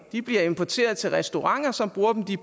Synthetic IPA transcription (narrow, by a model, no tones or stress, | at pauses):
d̥ib̥liɐe̝mpʰɒt͡sʰe̝̰ːɐð̞̩ˠt͡sʰe̝lʁɛsd̥o̝ʁɑ̈ŋ̰ɐsɒ̽mb̥ʁuːɐd̥em̩d̥i